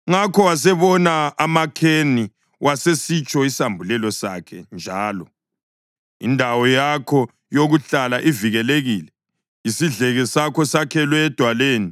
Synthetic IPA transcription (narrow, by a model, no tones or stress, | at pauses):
ŋakʰɔwasɛβɔnaːmakʰeni | wʔasesit͡ʃʼɔisambʱulɛlɔsa̰kʰɛnd͡ʒʱaːlɔ | ḭndʱawɔjakʰɔ | joɣuɬalaʔiviɣɛleɣiːlɛ | isiɮɛɣɛsakʰɔsakʰɛlwɛːd̥ʱwaleːni